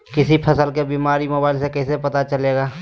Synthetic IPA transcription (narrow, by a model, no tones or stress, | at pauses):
kɪsipʰəsəlkebiːmaːɾimʊbaːɪlsekɛɪsepɐt̪at͡ʃəleːɡaː